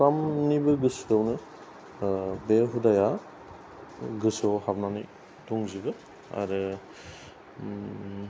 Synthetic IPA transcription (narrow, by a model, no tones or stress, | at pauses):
samnibɯɡɯsownɯ | beɦudaja | ɡɯsowɦabnanij | tuŋzibɯ | a̰ɾɯ